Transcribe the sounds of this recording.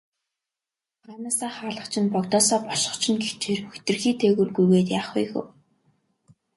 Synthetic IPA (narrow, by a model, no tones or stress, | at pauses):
anaːsaːχaːɮə̆χt͡ɕʰɪ̆npɔkt̪ɔːsɔːpɔʃɪ̥̆χt͡ɕʰɪ̆nɡext͡ɕʰeːrxɵxt̪ɘ̆rxiːt̪ʰeːɣŭrɡujɣeːt̪jaːχʊ̰jxɘ̰̆w